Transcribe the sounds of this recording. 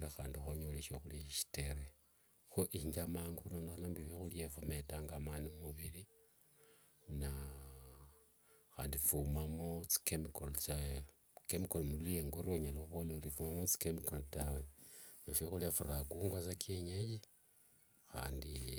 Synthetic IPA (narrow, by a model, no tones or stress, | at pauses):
laxaːndixoɲoleʃoxuliʃi̥teɾe | xoʔiɲd͡ʒamaːŋɡounonaxnambiβexuljefometaŋɡamanimuβiɾi | na | xa̰ːndifumamot͡si̥kemikolt͡sa | kemikolomulijeŋɡoɾoɲeloxuβoloɾifumamot͡si̥kemikoltawenaʃexulefuɾaɡuːŋɡwasakʰeɲeji | xa̰ːndi